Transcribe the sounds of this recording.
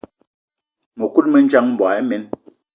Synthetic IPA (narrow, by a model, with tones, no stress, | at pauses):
mə˨ku˦t̚mə˦n˦d͡ʒa˦ŋm̩˨˦ba˨ɛ˦mɛ˨˦n